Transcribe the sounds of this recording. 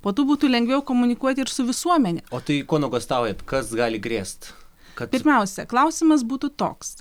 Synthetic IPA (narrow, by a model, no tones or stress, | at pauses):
poːt̪uːbuːt̪uːlʲɛŋɡʋʲɛʊkoːmʊnʲɪkuɔt̪ʲɪɪɾsʊʋʲɪsuɔmʲɛnʲɛoːt̪ɐɪkoːnoɡost̪ɑːˑʊjɛt̪kɐsɡɑːlʲɪɡɾʲeːst̪ | pkɐt̪pʲɪɾʲmʲɛʊsʲɛklˠɐʊsʲɪmɐs̬buːt̪uːt̪o̰ːks